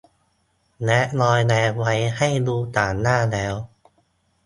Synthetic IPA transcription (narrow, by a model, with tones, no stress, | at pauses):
nɛ˦˥ʔnɔː˧jnɛː˧wa˧jha˥˩jduː˧t̪aː˨˩nːaː˥˩lɛː˦˥w